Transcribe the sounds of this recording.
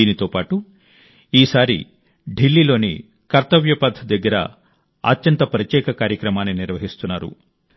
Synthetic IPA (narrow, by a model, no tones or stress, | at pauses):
iːnit̪o̞ːpaːʈu | iːsaːɾḭ | ɖʱilːiːlo̞ːnḭ | kɐɾt̪ɐʋjɐpɐd̪ʱːɐd̪ɐɡːɐɾɐ̰ | ɐ̰t̪jɐnt̪ɐpɐɾɐt̪jɛːkɐkaːɾjɐkɾɐmaːnːiniɾʋɐɦist̪unːaːɾṵ